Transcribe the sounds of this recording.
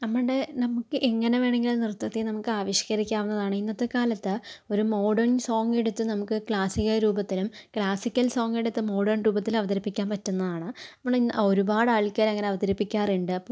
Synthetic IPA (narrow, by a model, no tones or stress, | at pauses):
nɐmːɐɳɖenɐmukːɨʔeŋːɐne̞ʋe̞ːɳeŋɡilnirt̪ːɐt̪ːenɐmukːɨaːʋɐɕjɐ̥kɐɾikʲːaːʋunːɐðaːɳɨinːɐt̪ːekaːlɐt̪ːɨo̞ɾumo̞ːɖɐrɳso̞ːŋɡeɽut̪ːɨnɐmukːɨkɭaːsiɣɐɾuːbɐt̪ːilumkɭaːsikʲːɐlso̞ːŋɡeɽut̪ːɨmo̞ːɽɐrnɾuːbɐt̪ːilɐʋɐd̪ɐɾipːikʲːaːnpɐtːunːɐðaːɳɨɐmːɐɳio̞ɾubaːɽaːɭkːɐɾɐŋːɐneɐʋɐd̪ɐɾipːikʲːaːriɳɖɨɐpːo